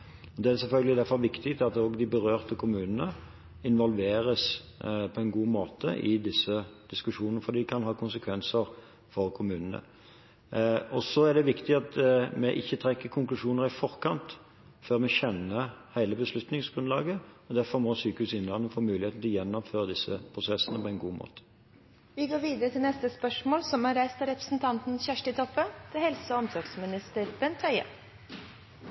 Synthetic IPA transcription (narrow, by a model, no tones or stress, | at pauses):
ɔd̪ɛæsɛlfœlɡəlɪd̪æɾfɔʁʋɪkt̪ɪt̪ɑt̪ɔːɡd̪ɪbəʁøːʁt̪əkʰʊmʉːnənə | ɪnʋɔlʋeːɾəs | pʰɔɛnɡuːmoːt̪ə̰ʔɪd̪ɪsːəd̪̥ɪskʉʂuːnnəfɔd̪iːkʰɑnɦɑːkʰʊnsəkʰʋɛnsəɾ | fɔʁkʰʊmʉːnənə̰ | ɔsɔæɖɛʋɪkt̪ɪɑt̪mɛʔɪçːət̪ʰɾɛkːəɾkʰʊŋklʉʂuːnəɾɪfɔʁkʰɑnt̪ | føːʁmɛçɛnːəhæɪləbəslʉt̪nɪŋsɡ̥ʁʉnlɑːɡəɔd̪æɾfɔʁmɔsyːkəʉːsɪnlɑnənfoːmʉːlɪeːt̪n̩t̪ʰɪlɔjɛnːɔmføːʁəd̪ɪsːəpʰʁʊsɛsənəpʰɔɛnɡṵːmo̰ːt̪ə̥ | ʋɪɡoːɾʋiːd̪əɾət̪ʰɪlnɛst̪əspœʂmoːlsɔmhɑɾæɪst̪ɑɾɛpɾə̥sn̩t̪ʰɑnt̪n̩çæʂʈɪt̪ʰɔpːət̪ʰɪlhɛlsəɔɔmsɔɾɡsmɪnɪst̪əɾb̥ɛnt̪ʰœʏə̰